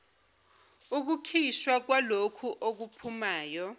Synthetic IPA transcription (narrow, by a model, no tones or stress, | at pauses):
uk̬ukʰiʃwak̬walokʰuʔok̬upʰumaːjɔ